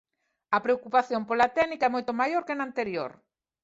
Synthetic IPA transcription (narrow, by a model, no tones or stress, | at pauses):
ɐpɾeokupaθjompolat̪ɛnikaɛmojt̪omajoɾkenant̪eɾjo̰ɾ